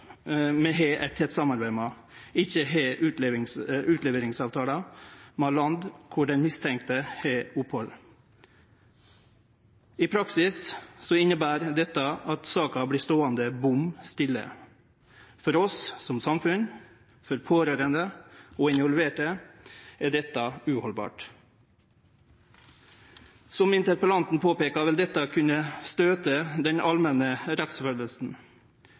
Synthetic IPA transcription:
mɛɦeːʔæt̪ʰɛt̪sɑmɑɾbæɪmɑ | ɪçəɦeːʔʉeɪʉːt̪leːʋəɾɪŋsɑːʋt̪ʰɑːlɑmɑːlɑnd̪kʰʊɖɛnmɪst̪ʰɛŋk̚t̪əheːʊphɔl | ɪpʰɾɑksɪssɔɪnːəbæːɾd̪ɛt̪ːəɑt̪sɑːkɑbliːst̪oːɑnd̪əbʊmst̪ɪlːə̰ | fɔɾɔssɔmsɑmfʉn | fɔɾpʰoːɾøːɾənd̪əoːɪnʋɔlʋʉeːʈə | æːɖɛt̪ːɑʉːhɔlbɑ̰ːʈ | sɔmɪnt̪əɾpəlɑnt̪n̩pʰoːpeːkɑʋɪld̪ɛt̪ːɑkʰʉnəst̪øːt̪əd̪ɛnɑlmɛnəɾɛt̪sfœləlsn̩

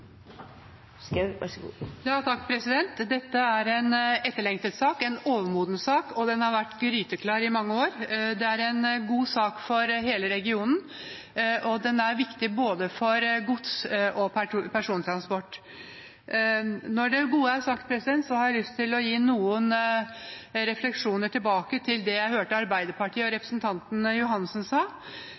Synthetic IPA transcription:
ɡ̰jɑːt̪ʰɑkːpʰɾɛsɪd̪ɛnt̪d̪ɛt̪ːəæɾɛnɛt̪ːəɭɛŋt̪əlt̪sɑːkɛnoːʋəmuːd̪nsɑːkɔd̪ɛnhɑɾʋæʈːɡɾyːt̪əkʰlɑːɾɪmɑŋːəoːɾd̪ɛæɾɛnɡuːsɑːkfɔɾɦeːləɾɛɡɪuːnn̩ | ʔɔd̪ɛnæɾʋɪkt̪ɪboːd̪əfɔɾɡʊt̪sʔɔpʰæpʰæʂuːnt̪ʰɾɑnspɔʈː | nɔɖɛɡuːəæɾsɑk̚t̪̚pʰɾɛsɪd̪ɛnt̪sɔhɑɾjæɪlʏst̪ʰɪlɔjiːnuːən | ɾɛflɛkʂuːnəʈʰɪlbɑːkət̪ʰɪld̪ɛjæɪhøːʈəɑɾbæɪd̪əpɑʈʰiːəɔɾɛpɾəsn̩t̪ʰɑnt̪n̩jʊɦɑnːsn̩sɑː

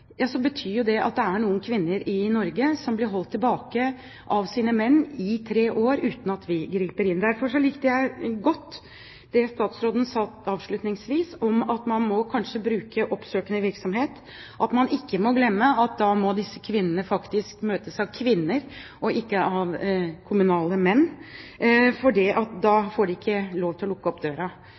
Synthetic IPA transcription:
jɑːsɔbət̪ʰyːjʊd̪ɛʔɑ̰t̪̚d̪ɛæɳuːənkʰʋɪnːəɾɪnɔɾɡəsɔmblɪɾɦɔlt̪ʰːɪlbɑːkə | ʔɑʋsiːnəmɛnːɪt̪ʰɾeːʔoːɾʉːt̪n̩ɑt̪ʰʋɪɡɾiːpəɾɪnd̪æɾfɔʂɔlɪkt̪əjæɪɡɔt̪ː | d̪̥ɛst̪ɑːt̪sɾoːd̪n̩sɑt̪ɑːʋʂɭʉt̪nɪŋsʋiːsɔmɑt̪mɑnmɔkʰɑnʂəbɾʉːkəʔɔpsøːkənəʋɪɾksɔmɦeːt̪ | ʔɑt̪mɑnɪkːəmɔɡlɛmːəɑt̪̚d̪ɑmɔd̪ɪsːə̥kʰʋɪnːənəfɑkt̪ɪskmøːt̪əsɑʋkʰʋɪnːəɾʔɔʔɪkːəʔɑʋkʰʊmʉnɑːləmɛnː | fɔɖiʔɑt̪̚d̪ɑːfoːɖɛɪkːəloːʋt̪ɪlɔlʊkːəɔpd̪øːɾɑ

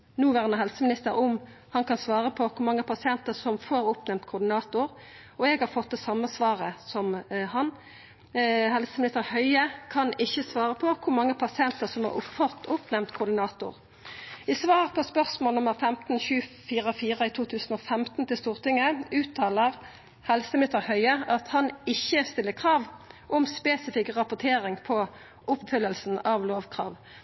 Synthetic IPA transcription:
nuːʋæʁnəɦɛlsəmɪnɪst̪əɾʊm | hɑnkʰɑnsʋɑːʁəpʰɔkʰʊɾmɑŋːəpʰɑsɪɛnt̪əʁsɔmfoːɾʊpnɛmt̪kʰʊʁd̪ɪnɑːt̪ʊɾ | ɔɛɡhɑɾfɔt̪̚d̪ɛsɑmːəsʋɑːʁəsɔmhɑn | hɛlsəmɪnɪst̪əɾhœʏəkʰɑnɪçːəsʋɑːɾəpʰɔkʰʊɾmɑŋːəpʰɑsɪɛnt̪əʁsɔmhɑ̰ʊfɔt̪ːʊpnɛmt̪kʰʊʁd̪ɪnɑːt̪ʊ̰ʁ | ɪsʋɑːʁpʰɔspœʁsmoːlnʊməʁfɛmt̪n̩çʉːfiːʁəfiːʁəɪt̪ʰuːt̪ʰʉːsn̩oːfɛmt̪n̩t̪ɪlst̪uːʁt̪ɪŋːəʉːt̪ʰːɑːləʁ | hɛlsəmɪnɪst̪əʁhœʏəʔɑt̪hɑnɪçːəst̪ɪlːəkʰʁɑːʋʔɔmspeːsɪfɪkʁɑpʊt̪ʰeːʁɪŋpʰɔ | ʔʊpfʏlːəlsn̩ɑʋloːʋkʰʁɑ̰ːʋ

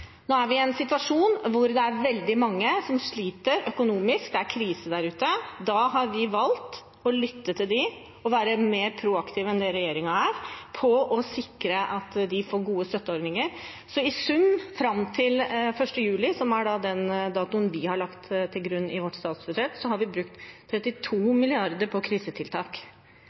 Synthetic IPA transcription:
noːæɾʋɪɛnsɪt̪ʋɑʂuːnʋʊɾd̪ɛæɾʋɛld̪ɪmɑŋːəsɔmʂɭiːt̪əɾœkʊnuːmɪsk̚d̪ɛæɾkʰɾiːsəd̪æɾʉːt̪əd̪ɑɦɑɾʋɪʋɑlt̪ | ɔlʏt̪ːət̪ʰɪld̪ɪ | ɔʋæːɾəmeːɾpʰɾuːɑkt̪ʰiːʋɛnd̪ɛɾɛjeːɾɪŋɑæɾpʰɔɔsɪkɾəʔɑt̪d̪ɪfoːɾɡuːəst̪œt̪ːəoːɾnɪŋəɾ | sɔɪsʉmfɾɑmt̪ʰɪlfœʂʈəjʉːlɪsɔmæɖɑd̪ɛnd̪ɑːt̪ʊnʋɪhɑɾɭɑkt̪t̪ʰɪlɡɾʉnːɪʋɔʈːst̪ɑːt̪sbʉd̪ʂɛt̪sɔhɑɾʋɪbɾʉkt̪ʰː | ɾɛt̪ːɪt̪ʰuːmɪlɪɑɾd̪əɾpʰɔkʰɾiːsət̪ʰɪlt̪ʰɑːk

